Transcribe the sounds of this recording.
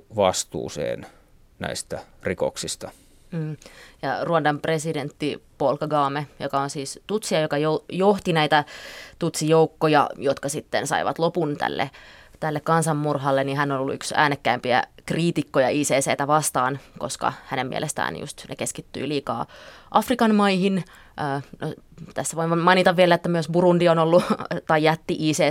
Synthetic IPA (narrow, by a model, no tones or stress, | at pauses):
ʋɑst̪ṵːsḛːn | næ̰ist̪ærikoksist̪ɑ̥ | m̩ːjɑruɑndɑmpresident̪ːipolkːɑɡɑːmejokɑonsiːst̪ut̪siɑjokɑjojoht̪inæit̪æt̪ut̪sijoukːojɑ̰jot̪kɑsit̪ːensɑ̰iʋɑ̰t̪lopunt̪æ̰lːʔḛt̪ælːekkɑnsɑmmurɦɑlːeniɦænːonolːṵyksæ̰ːnːekːæimpiæ̰kriːt̪ikːojɑʔiːseːseit̪æʋɑst̪ɑːnko̰skɑ̰hænemmḭḛlest̪æ̰ːnjṵst̪nḛkeskit̪ːy̰iliːkɑ̰ːʔɑfrikɑnmɑihin | ʔəːnot̪æsːæʋoiʋmɑinit̪ɑʋʋielæet̪ːæmyøsburundionolːut̪ɑjjæt̪ːiʔiːseː